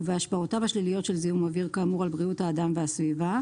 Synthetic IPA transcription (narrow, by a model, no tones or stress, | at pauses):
veaʃbaʁotavaʃlilijo̞tʃelziumaviʁkamuʁalbʁiuthaːdamveasviva